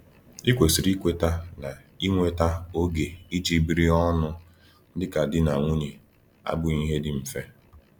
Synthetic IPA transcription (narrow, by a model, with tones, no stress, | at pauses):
i˦kʷe˨si˨ɾi˦kʷe˦ta˦na˨ | i˦ŋʷe˦ta˦o˦ɡe˨i˦d͡ʒi˦bi˦ɾi˦ɔ˦nʊ˦ | dɪ˦ka˨dɪ˦na˨ŋʷu˦ɲi˨ | a̰˦bʊ˦ɲi˦ɦe˦dɪ˦m̩˨fe˦